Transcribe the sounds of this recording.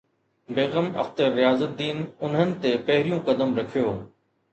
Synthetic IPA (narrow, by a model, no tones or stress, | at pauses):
beːɣəmɐ̰ft̪əɾːɪjaːzət̪̚d̪iːnʊnɦənɪ̆t̪epɐɦɪɾijũkɐd̪əmɾɐkʰijoː